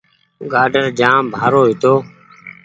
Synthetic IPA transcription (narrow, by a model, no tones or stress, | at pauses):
ɡaːɖəɾd͡ʒãːmbʱaːɾoːɦɪt̪oː